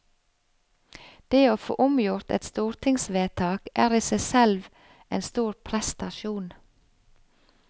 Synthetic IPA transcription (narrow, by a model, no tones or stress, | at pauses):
d̪̥eːoːfo̰ːʔʊmjʊɾt̪ɛ̰t̪st̪uːɾt̪ʰɪŋsʋeːt̪ʰɑːkʔæːɾiːsæɪsɛlʋ | ḛːnst̪uːɾpʰɾɛst̪ɑʃuːn